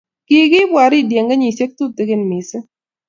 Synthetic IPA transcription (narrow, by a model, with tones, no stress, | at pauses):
kɪ˨kɪ˦bwa˨ɾɪ˦˨dje˨ŋɡa˦ɲi˨se˦k̚t̪u˦t̪ɪ˦kɪ˦nmɪ˨sɪ˦